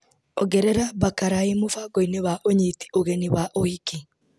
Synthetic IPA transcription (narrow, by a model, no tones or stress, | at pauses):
oɡeɾeɾabakaɾaimʊfaɡoiniβaʔoɲit̪i̥oɣeniwaʔohiki